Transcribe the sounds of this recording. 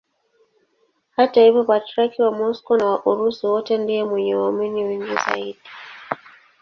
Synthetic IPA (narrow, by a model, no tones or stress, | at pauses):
hatahivjɔpatɾakiwamɔskɔnawaʔuɾusiwɔtɛndijɛmwɛɲɛwaminiwiŋɡiza̰iɗi